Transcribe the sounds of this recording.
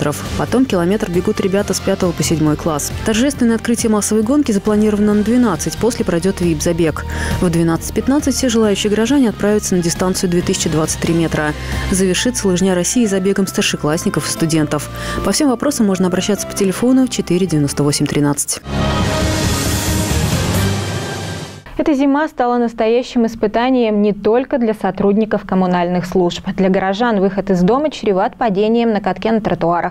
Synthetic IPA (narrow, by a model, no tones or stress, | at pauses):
t̪ɾəfpɐt̪o̞mkʲɪlˠɐmʲe̞t̪rbʲɪɡut̪ɾʲɪbʲat̪əspʲat̪əvəpəsʲɪdʲmo̞jklˠast̪ɐrʐɛst̪vʲɪnəɛɐt̪̚kɾɨtʲɪjəmasːəvəjɡo̞nkʲɪzəplˠɐnʲiɾəvənənəd̪vʲɪnat̪sɨtʲpo̞sʲlʲɪpɾɐjdʲo̞t̪vʲibzɐbʲe̞kvd̪vʲɪnat̪sɨ̥tʲpʲɪt̪nat̪sɨtʲfʲsʲeʐɨlˠajʉɕːɪjəɡɾɐʐanʲɪɐt̪̚pɾavʲɪt̪sənədʲɪst̪ant̪sɨjʊd̪vʲe̞t̪ɨsʲɪ̥t͡ɕɪd̪vat̪sɨt̚ʲt̪ːɾʲimʲe̞t̪ɾə | zəvʲɪrʂɨt̪səlˠɨʐnʲaɾɐsʲːiːzɐbʲe̞ɡəmst̪ərʂɨklˠasʲnʲɪkəfɨ̥st̪ʊdʲe̞nt̪əf | pɐfsʲe̞mvɐpɾʔo̞səmːo̞ʐnəɐbɾɐɕːat̪sə̥pə̥tʲɪlʲɪfo̞nʊt͡ɕɪt̪iɾʲɪdʲɪvʲɪnost̪əvo̞sʲɪmʲt̪ɾʲɪnat̪sɨ̥tʲ | ɛt̪əzʲɪmast̪alˠənəst̪ɐjæɕːɪmɪspɨt̪anʲɪjəmnʲɪt̪o̞lʲkəd̪lʲɐsɐt̪ɾudʲnʲɪkəfkəmʊnalʲnɨxslˠuʂpd̪lʲɐɡəɾɐʐanvɨxət̪ɨzd̪o̞mət͡ɕɾʲɪvat̪̚pɐdʲenʲɪjəmnəkɐt̪kʲenət̪ɾət̪ʊaɾʔəx